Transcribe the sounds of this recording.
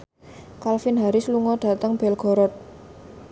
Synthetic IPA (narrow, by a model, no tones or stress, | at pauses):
kalfɪnɦaɾɪsluŋɔɖ̥ä̤t̪əŋb̥ɛlɡ̥ɔ̤ɾɔt̪̚